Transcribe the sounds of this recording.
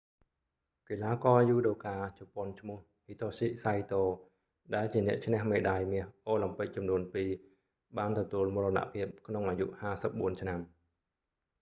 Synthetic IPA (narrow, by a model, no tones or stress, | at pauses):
kelaːkɑːjuːɗoːkaːt͡ɕɑpŏənt͡ɕʰmʊ̆əh | hiːt̪ʰoːsiʔsajt̪oː | ɗaɛlt͡ɕiənɛ̆əʔt͡ɕʰnɛ̆əhmeːɗaːjmiəhʔoːlampɨk̚t͡ɕɑmnuənpiː | ɓaːnt̪ɔt̪uəlmurəna̰ʔpʰiəp̚kʰnoŋʔaːjṵʔhaːsəp̚ɓuənt͡ɕʰnam